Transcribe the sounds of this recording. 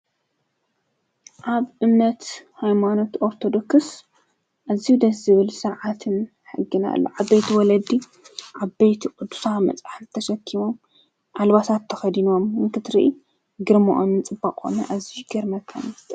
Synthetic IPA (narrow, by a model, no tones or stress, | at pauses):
ʔaβʔɨmnɐt̪hajmano̞t̪ʔo̞ɾt̪ʰo̞d̪o̞ks | ʔazːihud̪ɐszɨβɨlsɨɾʕat̪ʰɨn | ħɨɡːɨna̰lːo̰ʔaβejt̪ʰiwɔlɐd̪i | ʔaβbejt̪ʰikʼɨd̪u̥samɐ̰t͡sʼaħɨt̪ʰɐʃɐkʰːimo̞m | ʔalβasat̪ʰːɐxɐd̪ino̞mɨnkʰɨt̪ɾiʔi | ɡɨɾmo̰ʔomnɨt͡sʼɨbːakʼo̰nɐʔaziɡɐɾmɐkʰːanst̪ʰʼ